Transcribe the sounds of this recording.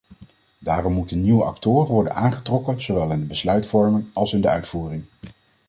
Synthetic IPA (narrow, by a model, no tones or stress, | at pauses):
daːrɔmːutənːiwəʔɑ̰ktʊːrənʋɔɹdə̰naːnχətrɔkənz̥oʋɛlˠɪndəbəslœɥtfɔɹmənɑlˠsɪndəœɥtfuːrɪŋ